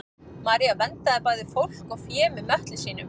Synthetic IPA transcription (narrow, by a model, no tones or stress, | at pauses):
maːɾiavɛnt̪aːpaːjðɪfowl̥kawfjɛːmɪmœht̪lɪsiːnʏm